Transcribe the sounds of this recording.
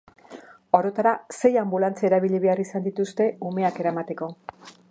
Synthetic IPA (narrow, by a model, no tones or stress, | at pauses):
o̞ɾo̞t̪aɾase̞jambulant͡saeɾaβiʎiβe̞arisand̪it̪ust̪e̞ume̞ake̞ɾamat̪e̞ko̞